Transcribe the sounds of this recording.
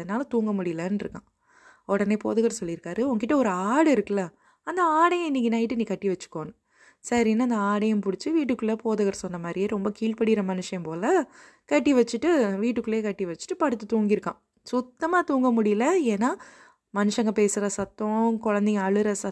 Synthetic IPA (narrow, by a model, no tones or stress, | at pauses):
ɐnːaːlɐt̪uːŋɡɐmʊɽɪjlɐnɾɯkːã̰ː | ɔɽɐneːpoːðɯɣɐɾsɔlːɪɾɯkːaːɾɯʊŋɡɐkɪʈːɐɔɾɯaːɽɯɪɾɯkːɐlɐ | ɐnd̪ɐaːɽɐjɐ̃ɪnːɪkːɪnɐːjɪʈːɯniːkɐʈːiʋɐt͡ʃːɯ̥kːoːnɯ | sɐɾiɛnːaːnd̪ɐaːɽɐjɐ̃mpʊɽɪt͡ʃːɯʋiːʈːɯkːɯɭːepoːðɯɣɐɾsɔnːɐmaːd̪ɾɪjeːɾɔmbɐkiːɭpɐɽɪɪɾɐmɐnɯʂɐjɐmpoːlɐ | kɐʈːiʋɐt͡ʃːɯʈːɯʋiːʈːɯkːɯɭːeːkɐʈːiʋɐt͡ʃːɯ̥ʈːɯpɐɽɯt̪ːɯt̪uːŋɡɪɾɯkːã̰ː | sʊt̪ːɐmaːt̪uːŋɡɐmʊɽɪjlɐeːnːaː | mɐnɯʂɐŋɡɐpeːsɯɾɐsɐt̪ːõkɔɻɐnd̪ɛŋɐɐɭɯɾɐsɐ